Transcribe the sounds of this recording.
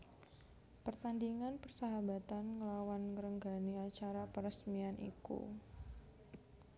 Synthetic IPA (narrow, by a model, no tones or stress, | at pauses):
pərt̪andiŋanpərsaɦabat̪anŋəlawanŋəɾəŋɡaniat͡ʃaɾapəɾəsmianʔḭkṵ